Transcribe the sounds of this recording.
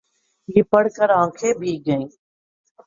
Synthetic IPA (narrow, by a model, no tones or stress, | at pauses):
jeːpəɽkəɾãːkʰeːbʱiːɡəĩː